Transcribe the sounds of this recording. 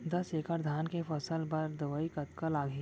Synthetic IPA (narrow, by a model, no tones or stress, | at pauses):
d̪ɐseːkəɾd̪ʱaːnkefɐsəlbɐɾd̪ɐʋəikɐt̪kəlaːɡʱeː